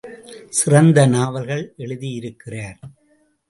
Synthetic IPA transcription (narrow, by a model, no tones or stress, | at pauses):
sɪrɐnd̪ɐnaːʋɐlɣɐɭʔɛɭɯðijɪɾɯkːɪraːɾ